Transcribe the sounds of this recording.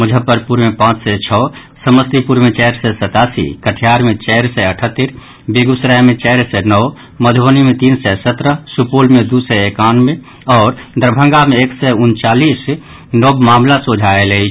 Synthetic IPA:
məd͡ʒʱəpəɾpuɾmepãt͡ʃʰsɛt͡ʃʰɔ | səməst̪ipuɾmet͡ʃɛɪɾsɛsət̪asḭkəʈʰijaɾmet͡ʃɛɪɾsɛəʈʰət̪ːəɾ | beɡusɾamet͡ʃɛɪɾsɛnɔw | məd̪ʱonimet̪insɛsət̪ɾəsupolmed̪usɛekanme | ɔːɾd̪əɾbʱəŋɡameːksɛunt͡ʃalis | nɔbmamlasod͡ʒʱaeləɦit͡ʃʰ

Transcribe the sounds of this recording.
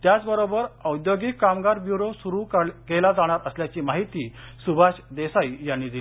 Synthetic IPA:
t̪jat͡sbəɾobəɾəwd̪joɡikːamɡaɾbjuɾosuɾukɡelad͡zaɽ̃aɾəsljat͡ɕiːmaɦit̪iːsubʱaɕd̪esaijanːiːd̪il

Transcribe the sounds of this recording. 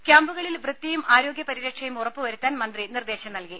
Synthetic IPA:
kjaːmbuɣɐɭilʋrɨt̪ːɐjumʔaːɾo̞ːɡʲjɐpɐɾiɾɐkʂɐjumurɐpːɨʋɐɾut̪ːaːnmɐnd̪rinird̪eːɕɐmnɐlki

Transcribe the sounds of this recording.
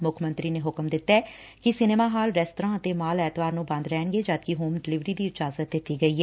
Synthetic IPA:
mʊkʰmə̃nt̪ɾiːneːɦʊkmd̪ɪt̪ːaɛː | kɪsɪneːmaːɦaːlɾɛːsʈəɾãːət̪eːmaːlɛːt̪ʋaːɾnũːbə̃nd̪ɾɛːɳɡeːd͡ʒaːd̪kɪɦuːmɖɪlɪʋɾiːd̪iːɪt͡ʃaːzət̪̚d̪ɪt̪ːiːɡəiːɦɛː

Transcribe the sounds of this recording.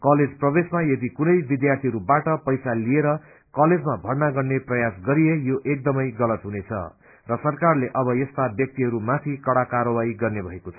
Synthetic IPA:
kʌled͡zprʌbesmajʌd̪ikunʌjbid̪jart̪ʰiɦʌɾubaʈʌpʌjsalieɾʌ | kʌled͡zmabʱʌrnaɡʌrneprʌjasɡʌɾijejoʔek̚d̪ʌmʌjɡʌlʌt̪ɦunet͡sʰʌ̰ | rʌsʌrkarleʔʌbʌjʌst̪abjʌk̚t̪iɦʌɾumat̪ʰikʌɽakaɾʌwaiɡʌrnebʱʌekot͡sʰʌ̥

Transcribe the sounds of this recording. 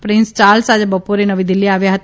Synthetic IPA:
pɾɪ̃nst͡ʃaːlsad͡ʒabəpoɾenɐʋid̪ɪlːiaːʋjaɦɐt̪

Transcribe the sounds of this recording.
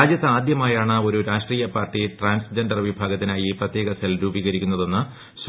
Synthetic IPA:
aːd͡ʑjɐt̪ːɨaːd̪jɐmaːjaːɳɨo̞ɾuɾaːʂʈriːjɐpaːrʈːiʈraːnsd͡ʑenɖɐrʋibʱaːɡɐt̪ːinaːjiprɐt̪je̞ːɣɐsɐlɾuːbiːɣɐɾikʲːunːɐðe̞nːɨ | s

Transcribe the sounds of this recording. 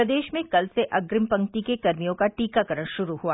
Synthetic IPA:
ɾɐd̪eːʃmẽkɐlseʔɐɡɾɪmpɐ̃ŋk̚t̪ikekɐɾmijõkaʈiːkakɐɾəɽ̃ʃʊɾuɦuaː

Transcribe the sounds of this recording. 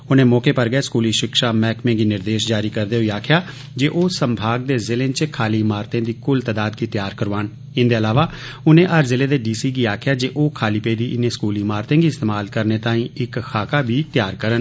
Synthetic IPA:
ʊnẽːmɔːkeːpəɾɡəeːskuːliːʃɪkʃaːmɛːkmẽːɡiːnɪɾd̪eːʃd͡ʒaːɾiːkəɾd̪eːɦoiːaːkʰɪjaː | d͡ʒeːʔoːsəmbʱaːɡ̚d̪eːzɪlẽːt͡ʃkʰaːliːmaːɾt̪ẽːd̪iːkʊlt̪aːd̪aːd̪̚ɡiːt̪ɪjaːɾkəɾʋaːn | ɪnd̪eːəlaːʋaː | ʊnẽːʔəɾzɪleːd̪eːɖiːsiːɡiːaːkʰjaːd͡ʒeːʔoːkʰaːliːpeːd̪iːʔɪnẽːskuːliːmaːɾt̪ẽːɡiːɪst̪eːmaːlkəɾneːt̪ãːĩːɪkkʰaːkaːbʱiːt̪jaːɾkəɾən

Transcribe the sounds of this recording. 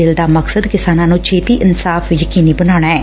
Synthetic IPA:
ɪld̪aːməksəd̪kɪsaːnãːnũːt͡ʃʰeːt̪iːʔɪnsaːfjəkiːniːbənaːɽ̃aːɛː

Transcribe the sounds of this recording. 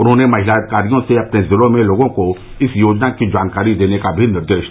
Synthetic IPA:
ɾõnẽmaɦilakaɾijõseapnẽzelomẽloɡõko | isjod͡ʒnakĩd͡ʒankaɾid̪enẽkabʱinəɾd̪eʃ

